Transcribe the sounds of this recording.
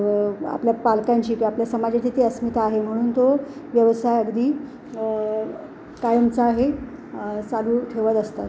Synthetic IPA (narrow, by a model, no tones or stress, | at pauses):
a̰pljapalkaɲt͡ɕiːkiapljasəmad͡ʑet̪ʰit̪iəsmit̪aɦem̤əɽ̃uːnt̪oʋjəʋəsajəɡd̪iː | kajəmt͡saːɦe | t͡saluːʈʰeʋət̪əst̪at̪